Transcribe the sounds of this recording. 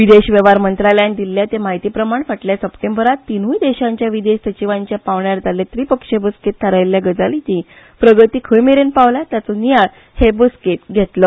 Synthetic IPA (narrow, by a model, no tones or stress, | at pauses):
ʋid̪eɕʋjəʋaɾmənt̪ɾaljanid̪ilːjat̪emaɦit̪iːpɾəmaɳfəʈljasəpʈembəɾat̪ːinũid̪eɕaɲt͡ɕjaʋid̪eɕsət͡ɕiʋaɲt͡ɕjapaʋɳjaɾt̪aljat̪ɾipəkʂebəsket̪ʰːaɾajljaɡəd͡zalit͡ɕĩ | pɾəɡət̪iːkʰəjmeɾenpaʋlat̪jat͡sɔnijaɭ | hebəsket̪ɡʱet̪lɔ